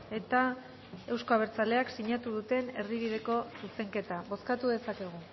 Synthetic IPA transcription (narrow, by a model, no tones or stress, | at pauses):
e̞t̪a | e̞wsko̞aβ̞e̞ɾt͡sale̞aksiɲat̪uðut̪e̞ne̞ɾðiβiðe̞ko̞suse̞ŋke̞t̪aβo̞skat̪uðe̞sake̞ɣ̞u